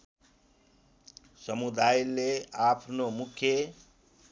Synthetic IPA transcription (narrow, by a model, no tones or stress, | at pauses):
sʌmud̪ajleapʰnomukʰːje